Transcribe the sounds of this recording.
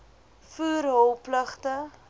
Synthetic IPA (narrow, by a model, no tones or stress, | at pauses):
fuːrɦowpləχtə